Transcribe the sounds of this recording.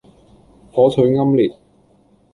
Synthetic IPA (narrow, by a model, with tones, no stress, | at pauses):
hɔː˨˥t͡sʰɵ˨˧ɥŋɐ˥mliː˨˩t̚